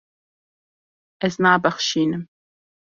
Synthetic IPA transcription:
ɛznaːbɐχʃiːnɨm

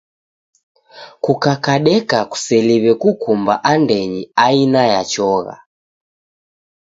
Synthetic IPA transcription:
kukakaɗɛkaku̥sɛliβɛkukumba̰ʔandɛɲiainajat͡ʃɔɣa̰

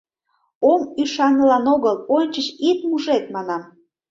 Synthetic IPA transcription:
omyʃɑnəlɑnoɣəlonʲt͡ɕət͡ɕit̪muʒet̪mɑnɑm

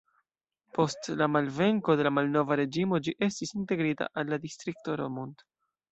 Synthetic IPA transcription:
po̞stlamalve̞ŋko̞de̞lamalno̞vaɾe̞d͡ʒimo̞d͡ʒiʔe̞stisinte̞ɡɾita̰ʔalːadistɾik̚toɾo̞munt

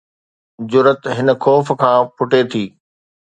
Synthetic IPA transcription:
d͡ʑʊɾət̪ɦɪnə̆kʰɔːfkʰãːpʰʊʈet̪ʰiː

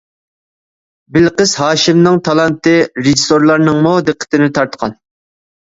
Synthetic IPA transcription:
bɪlqəzɦɑːʃɪmnɨŋt̪ʰɑlˠɑnt̪ɨɾɪʒisoɾlˠɑɾnɨŋmod̪ɨqʰːə̥t̪ʰɪnɪt̪ʰɑɾt̪qʰɑn

